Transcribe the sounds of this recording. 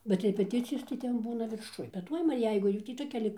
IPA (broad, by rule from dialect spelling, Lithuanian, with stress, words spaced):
bʲɛt rʲɛpʲɛˈtʲɪt͡sʲɪjoːs tɐɪ ˈtʲɛn ˈbuːnɐ ʋʲɪrˈʃʊj bʲɛt ˈtuɔj ʋɐ ˈjɛɪɡʊ ˈjuː tʲiː toːˈkʲɛ lʲɪk